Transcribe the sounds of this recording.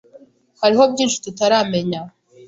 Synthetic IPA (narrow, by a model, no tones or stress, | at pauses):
haɾiɦo̞bɟiːnʃu̥tutaɾaːme̞ɲa